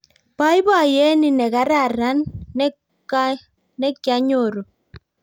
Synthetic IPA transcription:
pa˦jba˦˨jɛ˦ni˦˨nɛ˨ka˨˦ɾa˦˨ɾa˦n˦ | ɛ˦kːja˦ɲo˦˨ɾo˨

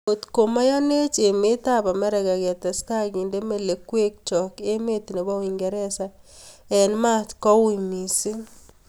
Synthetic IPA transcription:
o˨tko˨ma˦ja˦ne˦t͡ʃe˨me˦ta˦˨pa˨mɛ˦ɾɛ˨ɡa˨ɡɛ˨ta˨ska˦ɡi˨nde˦me˦˨le˨kwe˦k̚t͡ʃɔ˨ke˦me˦t̪i˨ne˨ba˦wi˨ŋɡɛ˨ɾɛ˦sa˦ɛ˨nma˦tkɔ˦wi˨mi˨si˦n

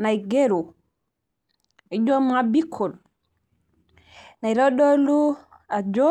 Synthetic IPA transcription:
na˨jɡeɾu˨ | i˨d͡ʒo˦m˦a˨bikʰːɔ˨l | na˨jɾoɗo˦lu˦ | a˨d͡ʒɔ

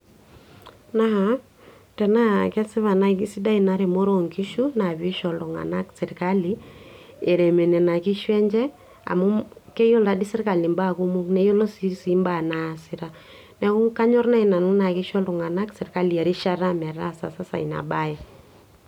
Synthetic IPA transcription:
na˦ɦa˨ | tɛ˨na˦kɛ˦sɪ˦βa˨na˦iki˦si˦da˦ina˦ɾɛ˨mo˦ɾɔ˨ŋki˦ʃu˦na˨βi˦ʃɔ˨lɔ˨ŋa̰˨na˦ksɛ˨ɾka˦li˦ | e˨ɾɛ˨me˨nɛ˨na˨ki˦ʃwɛ˦ɲd͡ʒɛ˦ | a̰˨mu˦kɛ˦jɔ˦la˨di˦sɪ˦ɾka˨li˨mba˦ku˦mu˦knɛ˦jo˦lɔ˦si˦si˨˦mba˦˨na˨sɪ˦ɾa˦ | nɛ˨ku˦ka˦ɲɔ˦rna˦i˨na˨nu˦na˨kɪ˦ʃɔ˦lɔ˨ŋa˨na˦ksɛ˨ɾka˦li˨a˨ɾɪ˦ʃa˦ɾa˦mɛ˨ɾa˦sa̰˨sa˦sa̰˨i˨na̰˨ba˦ɛ˦

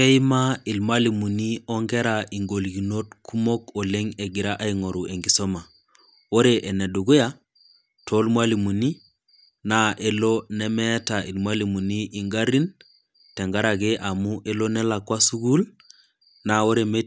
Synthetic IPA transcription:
ke˦i˦ma˦i˨lmali˨mu˨ni˦ɔ˦ŋɡe˦ɾaʔi˨ŋɡo˨lɡi˨no˦tkʰu˦mo˦ko˨leŋe˨ɡi˨ɾaʔa˦iŋo˨ɾu˨e˨ŋɡi˨so˦ma˨ | o˦ɾeʔe˨ne˨du˨ɡu˦ja | to˦lmwa˦li˨mu˨ni˦ | naʔe˨lonɛ˦mɛ˦ta˨i˨lma˦li˨mu˨ni˦ʔi˨ŋɡa˦ɾi˦n | tɛ˨ŋɡa˦ɾaɡeʔa˨muʔe˦lo˦nɛ˦la˨kwa˦su˦ɡu˦l | nao˦ɾeme˦

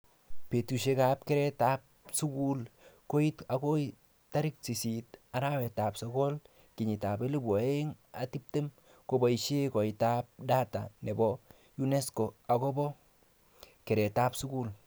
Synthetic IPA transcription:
pe˨tu˨ʃe˦ka˨p̚ke˦ɾɛ˦ta˦p̚su˦ku˦lko˦i˦tako˦ | ta˦ɾɪ˦k̚si˨si˨ta˨ɾa˦wɛ˨ta˨psɔ˦kɔ˦l | kɪ˨ɲɪ˨ta˨be˦li˦bɔ˨e˦ŋa˨ti˦p̚te˦m | ko˨bɔ˨i˨ʃe˦kɔ˨itap̚da˦ta̰˨ne˨bɔ | ju˦ne˦sko˨a˨ko˦bɔ˦ | ke˨ɾɛ˨ta˦psʊ˦ku˦l

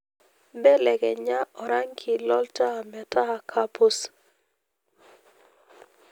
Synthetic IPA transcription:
bɛ˦lɛ˨ɡɛ˨ɲa˦ʔɔ˨ɾa˦ŋkʰɪ˨lɔ˦lta˦˨mɛ˨ta˦a˨kʰa˦pʊ˦s

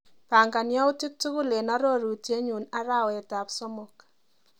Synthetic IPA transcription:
pa˨ŋɡa˨nja˦ʊ˦ti˦k̚tu˦kʊ˦le˨na˦ɾo˦ɾu˨tje˦ɲu˨na˦ɾa˦wɛ˨ta˨psɔ˦mʊ˨k

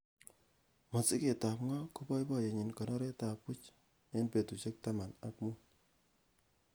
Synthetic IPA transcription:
mɔ˨t͡si˦ke˨ta˨pŋɔ˦ko˦bɔ˦jbɔ˦je˨ɲi˨nkɔ˨nɔ˦ɾe˦ta˨pʊ˦t͡ʃ | ne˦npe˨tu˨t͡ʃe˦k̚ta˦ma˨na˦k̚mu˦

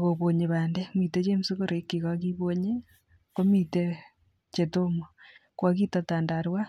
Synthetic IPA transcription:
ɣo˨βo˨ɲe˨βaː˨nde˦mi˨te˦t͡ʃe˦m˦si˦ko˦ɾe˨˦kːi˨ka˦ki˦βo˦ɲe˦ | ko˦mi˨te˦ | t͡ʃe˨to˦mo˨kwa˦ki˦ta˨ta˨nda˨ɾwa˦

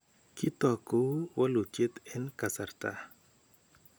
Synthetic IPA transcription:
ki˦t̪ɔ˨ko˦wɔ˦lʊ˨t͡ʃe˦t̪ɛ˦nka˨sa˨rt̪a̰˦

